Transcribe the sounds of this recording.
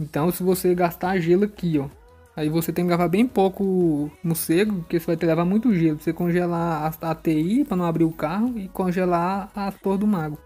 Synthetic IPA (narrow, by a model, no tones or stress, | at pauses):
ẽt̪ɐ̃w̃sɪvoseɡast̪aʒelɐkiɔ | aivoset̪ẽkɪɡavabẽj̃powkʊnʊseɡʊpʊkesvajt̪eklɛvamũj̃t̪ʊʒelʊvosekõʒɛlaːsat̪eipɾɐnɐ̃w̃abɾiɾʊkaɦʊɪkõʒɛlaaspoɾd̪ʊmaɡʊ